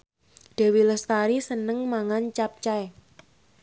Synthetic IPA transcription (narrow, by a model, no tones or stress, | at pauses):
d̥a̤wiləst̪aɾisənəŋmaŋant͡ʃap̚t͡ʃaɛ